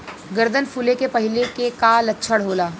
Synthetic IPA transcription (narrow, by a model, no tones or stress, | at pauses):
ɡəɾd̪ʱənfʰulekepɐɦɪlekekaːlɐtːʃʰəɽɦoːlaː